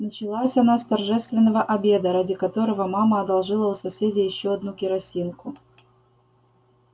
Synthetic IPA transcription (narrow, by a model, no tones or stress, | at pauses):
nət͡ɕɪlˠasʲɐnast̪ɐrʐɛst̪vʲɪnːəvəʔɐbʲe̞d̪əɾadʲɪkɐt̪o̞ɾəvəmaməɐd̪ɐlˠʐɨlˠəʊsɐsʲedʲɪjɪɕːoɐd̪nukʲɪɾɐsʲinkʊ